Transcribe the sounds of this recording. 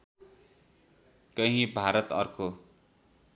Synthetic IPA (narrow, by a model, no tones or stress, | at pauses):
kʌɦĩbʱaɾʌt̪ʌrko